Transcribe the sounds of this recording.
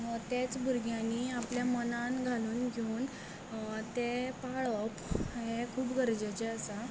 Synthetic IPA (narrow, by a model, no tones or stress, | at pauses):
t̪et͡sbuɾɡjãniːapljamənãnɡʱaluːnɡʱeuːn | t̪epaɭəpɦekʰuːpɡəɾd͡ʑet͡ɕeəsa